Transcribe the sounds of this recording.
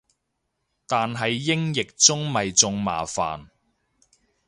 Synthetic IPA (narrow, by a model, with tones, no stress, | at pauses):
t̪aː˨nɦɐ˨jːɪ˥ŋjɪ˨k̚t͡sʊ˥ŋmɐ˨jt͡sʊ˧ŋma̰ː˨fa̰ː˨n